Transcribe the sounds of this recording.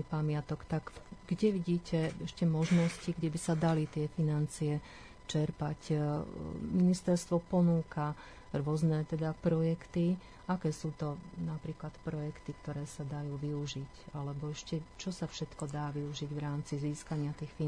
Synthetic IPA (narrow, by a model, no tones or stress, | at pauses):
pamɪat̪ɔkt̪aɡɡ̥ɟɛʋiɟiːcɛɛʃcɛmɔʒnɔsciɡɟɛbisad̪alit̪ɪɛfinant͡siɛ | t͡ʃɛɾpac | minist̪ɛɾst̪ʋɔpɔnuːka | ɾʊɔznɛt̪ɛd̪apɾɔjɛkt̪i | ʔakɛːsuːt̪ɔnapɾiːklat̪pɾɔjɛkt̪ikt̪ɔɾɛːsad̪ajuːʋiuʒicalɛbɔɛʃcɛt͡ʃɔsafʃɛt̪kɔd̪aːʋiuʒiɟʋɾaːmt͡siziːskaɲɪat̪iːxfi